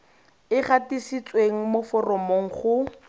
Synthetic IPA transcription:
ɪχatisit͡sʼweŋ̩mofɔrɔmoŋ̩χʊ

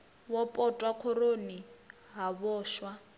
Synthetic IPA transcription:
wɔpʼɔtʼwakʰɔɾoni | ɦaβɔːʃwa

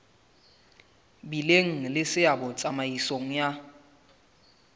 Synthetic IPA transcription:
bileŋ̩lɪsɪabɔt͡sʼamaisoŋ̩ja

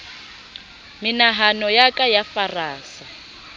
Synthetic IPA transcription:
minaɦanɔjakʼajafaraːsa

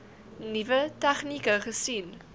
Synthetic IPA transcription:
nivətæχnikəχəsin

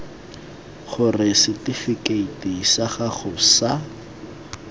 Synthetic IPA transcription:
χʊrɪsɪtifikeitiisaχaχʊsa

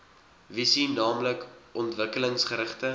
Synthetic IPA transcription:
visinnːɑːmləkʔɔntvəkələŋsχəɾəχtə

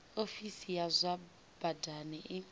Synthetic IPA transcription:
ofisijazʷa | b̥adanɪʔɪ

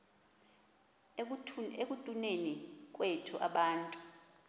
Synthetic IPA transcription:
ek̬ʼutʼunenik̬ʼwetʰuʔa̰ɓaːntʼu̥

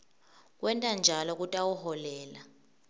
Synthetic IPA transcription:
k̬ʼwɛntʼand͡ʒʱalɔk̬ʼutʼawuhɔlɛːla

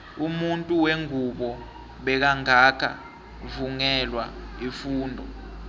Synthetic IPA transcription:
umuntʼuweŋuɓɔ | ɓɛk̬aŋakʰa̰ | vuŋɛlwaifuːndʱɔ̰

